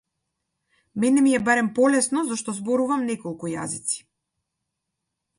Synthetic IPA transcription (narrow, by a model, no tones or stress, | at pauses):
mɛnɛmiɛbaɾɛmpɔlɛsnɔzaʃt̪ɔzbɔɾuvamnɛkɔlˠkuja̰zit̪si̥